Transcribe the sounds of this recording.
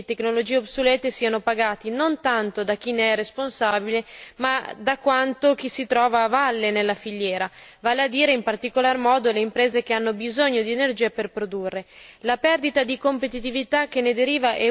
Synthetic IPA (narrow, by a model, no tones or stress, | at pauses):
et̪eknolod͡ʒiːeobsolɛːt̪esiːanopaɡaːt̪inont̪ant̪od̪ak̟ːineɛresponsabilemad̪akwant̪ok̟isit̪ɾɔːvaːvalːenelːafiʎːjɛːɾavaːlead̪iːɾeimpart̪ikolarmɔːd̪oleimpɾeːzek̟eanːobizoɲːod̪ienerd͡ʒiːaperpɾod̪urːelapɛrd̪it̪ad̪ikompet̪it̪ivit̪ak̟ːenːed̪eɾiːvaʔɛ